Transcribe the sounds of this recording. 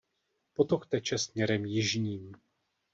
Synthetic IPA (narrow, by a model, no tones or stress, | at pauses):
po̞t̪o̞xt̪ɛt͡ʃɛsmɲɛɾɛmjɪʒɲiːm